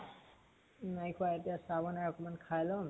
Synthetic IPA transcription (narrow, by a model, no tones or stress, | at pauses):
najkʰuajetijasabɔnaɹɔkɔmankʰajlɔm